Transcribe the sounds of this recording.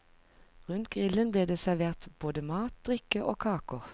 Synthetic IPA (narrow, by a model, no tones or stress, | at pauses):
ʁʉnt̪̚ɡ̥ʁɪlənbleːd̪eːsæʁʋeːʁt̪b̥oːd̪əmɑːt̪̚d̪̥ʁɪkəʔo̰ːkʰɑːkʊʁ